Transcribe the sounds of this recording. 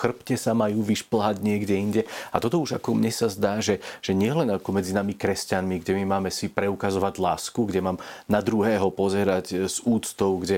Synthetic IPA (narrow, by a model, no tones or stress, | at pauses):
xr̩pcɛsamajuːʋiʃpl̩ɦaɟɲɪɛɡɟɛiɲɟɛa̰t̪ɔt̪ɔuʒa̰kɔmɲɛsazd̪aːʒɛʒ̥ɛɲɪɛlɛnakɔmɛd͡zinamikɾɛscanmiɡɟɛmimaːmɛsipɾɛukazɔʋaɟlaːskuɡɟɛmaːmnad̪ɾuɦɛːɦɔpɔzɛɾacz̥uːt͡st̪ɔʊɡɟɛ